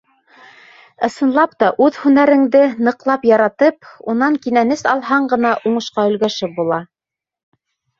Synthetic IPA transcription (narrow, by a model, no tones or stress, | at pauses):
ɤ̆sɤ̆nlˠɑpt̪ɑʔʉðhʉnæɾɘ̆ŋd̪ɘnɤ̆qlˠɑpjɑɾɑt̪ɤp̚unɑŋkinænɘsɑlˠɦɑɴɢɤ̆nɑʔuɴɤ̆ʃqɑɵ̆lɡæʃɘp̚bulˠɑ